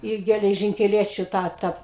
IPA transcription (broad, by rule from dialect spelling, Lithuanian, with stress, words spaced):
ˈɪ ɡʲɛlʲɛʒʲɪŋʲkʲɛˈlʲiɛt͡ʃʲʊ ˈtɑː ˈtɐ